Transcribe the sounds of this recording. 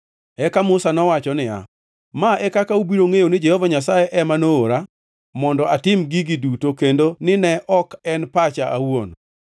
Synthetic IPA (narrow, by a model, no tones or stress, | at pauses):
ɛkamʊsanɔwat͡ʃɔnɪja̰ | maʔɛkakaubiɾoŋejonɪd͡ʒɛhɔvaɲas̬ajeʔɛmanoːɾa | mɔndɔatɪmɡiɡɪdutokendonɪnɛʔɔkɛnpat͡ʃaʔawon